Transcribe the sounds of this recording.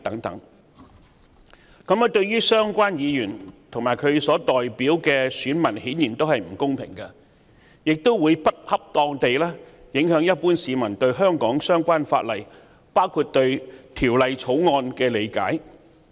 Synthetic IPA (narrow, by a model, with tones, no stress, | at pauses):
t̪ɐ˨˥ŋt̪ɐ̰˨˥ŋ | kɐ˨˥mɐ˨˧t̪ɵ˧ɥjyː˥sœː˥ŋkʷaː˥njiː˨˧jyː˨˩nt̪ʰʊ˨˩ŋmaː˨˩jkʰɵ˨˧ɥsɔː˨˥t̪ɔː˨˩jpiː˨˥wkɛː˧syː˨˥nmɐ˨˩nhiː˨˥njiː˨˩nt̪o˥whɐ˨jm̩˨˩kʊ˥ŋpʰɪ̰˨˩ŋkɐ˧ | jɪ˨k̚t̪o˥wwuː˨˧jpɐ˥t̚hɐ˥p̚t̪ɔː˧ŋt̪e˨jlɛː˥jɪ˨˥ŋɦœː˨˥ŋjɐ˥t̚puː˥nsiː˨˧mɐ˨˩nt̪ɵ˧ɥɦœː˥ŋkɔː˨˥ŋsœː˥ŋkʷaː˥nfa̰ː˧t̚lɐ˨j | paː˥wkʰuː˧t̚t̪ɵ˧ɥt̪ʰiː˨˩wlɐ˨˧jt͡sʰo˨˥wŋɔː˧nkɛː˧le˨˧jka̰ː˨˥j